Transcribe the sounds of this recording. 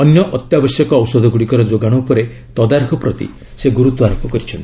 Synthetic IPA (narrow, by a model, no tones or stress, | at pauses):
ɔnjɔʔɔt̪jabɔsjɔkɔːwsɔd̪ʱɔɡuɽikɔɾɔd͡ʒoɡaɽ̃ɔupɔɾe | t̪ɔd̪aɾkʰɔpɾɔt̪ḭ | seɡuɾut̪ːuaɾɔpːɔkɔɾit͡ʃʰɔnt̪i̥